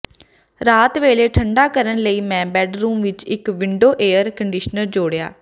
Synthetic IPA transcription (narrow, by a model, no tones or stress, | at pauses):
ɾaːt̪ʋeːleːʈʰəɳɖaːkəɾənləiːmɛ̃ːbɛːɖɾuːmʋɪt͡ʃɪkʋɪɳɖoːʔeːəɾkəɳɖɪʃnəɾd͡ʒoːɽeja̰ː